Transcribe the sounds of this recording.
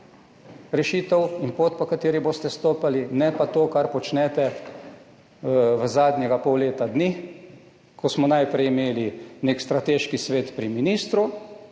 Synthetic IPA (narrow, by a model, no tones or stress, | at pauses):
ɾɛʃiːt̪əwinpoːt̪pɔkat̪eːɾiboːst̪ɛst̪oːpalinɛpat̪oːkaɾpɔt͡ʃnɛːt̪ɛ | ʋəzaːd̪njɛɡapɔwleːt̪ad̪ni | kʰɔsmɔnajpɾɛjimeːlineːkst̪ɾat̪eːʃkisʋeːt̪pɾiminiːst̪ɾu